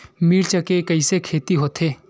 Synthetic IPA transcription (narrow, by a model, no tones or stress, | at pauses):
miːɾt͡ʃəkekɐisekʰeːt̪iɦoːt̪ʰeː